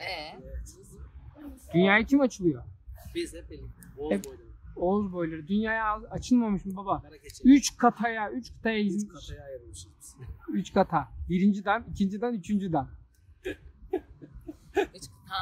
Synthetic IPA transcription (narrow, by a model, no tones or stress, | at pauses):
d̪̥ynjaːjat͡ʃʰimat͡ʃʰɯlˠɯjo | ɛozbo̞jlˠaɾɯd̪ynjaːjaat͡ʃʰɯlˠmamɯʃmɯbabayt͡ʃkʰat̪ʰajayt͡ʃkʰḁt̪ʰajajizj | yt͡ʃkʰat̪ʰabiɾind͡ʒid̪ænicʰind͡ʒid̪ænyt͡ʃʰynd͡ʒyd̪æn